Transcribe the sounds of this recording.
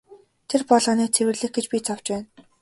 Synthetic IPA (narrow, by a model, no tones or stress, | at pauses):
t̪ʰerpɔɮʁɔ̆ːniːk̚t͡sʰewɘ̆rɮɘ̆x̚ɡet͡ɕpʲit͡sʰaw̥t͡ɕpæːn